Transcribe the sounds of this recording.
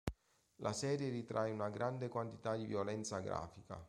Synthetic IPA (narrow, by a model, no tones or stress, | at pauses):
lʔa̰sɛːɾjerit̪ɾʔajunaɡɾʔand̪ekwant̪i̥t̪ad̪ivjolɛnt̪saɡɾa̰ːfika̰